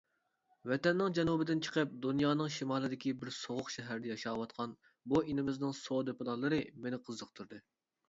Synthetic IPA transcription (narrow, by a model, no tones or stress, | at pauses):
vɛt̪ɛnːɪŋd͡ʒɛnubɪd̪ɪnt͡ʃʰə̥qʰəp̚d̪unjɑːnɨŋʃimɑːlˠɨd̪ɪkʲibɪɾsoʁʊqʃɛɦæɾd̪ɛjɑʃɑːwɑt̪qʰɑn | buinɪmɪznɪŋsod̪epɨlˠɑlˠɨɾɨmenɪqʰəzːəq̚t̪ʰuɾd̪ɨ